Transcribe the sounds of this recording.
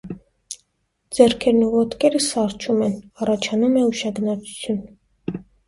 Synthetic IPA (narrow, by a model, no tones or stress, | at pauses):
d͡zɛɾkʰɛɾnuvɔt̪kɛɾəsɑɾt͡ʃʰumɛnɑrɑt͡ʃʰɑnumɛuʃɑɡnɑt͡sʰu̥t͡sʰjun